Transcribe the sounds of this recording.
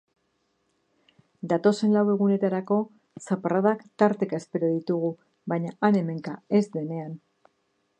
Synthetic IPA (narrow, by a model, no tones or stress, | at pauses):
d̪at̪o̞se̞nlawe̞ɣune̞t̪aɾako̞ | saparaðakt̪aɾt̪e̞kae̞spe̞ɾoðit̪uɣ̞u | baɲaʔane̞me̞ŋkae̞zd̪e̞ne̞an